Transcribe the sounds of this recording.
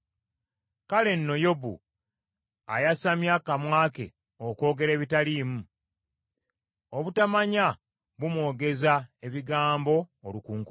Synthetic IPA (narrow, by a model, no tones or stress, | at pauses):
kale̞nːo̞jobṵ | a̰jasamjakamwaːke̞̰ | oko̞ːɡe̞ɾe̞ːβitaliːmu | oβutamaɲa | βumwo̞ːɡe̞zae̞βiɡaːmbo̞ːlukuːŋk